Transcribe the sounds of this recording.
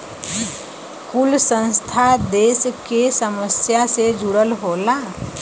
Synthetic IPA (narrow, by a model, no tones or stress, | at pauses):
kulsə̃nst̪ʰad̪eːskesəməsjased͡ʒʱʊɽəlɦoːlaː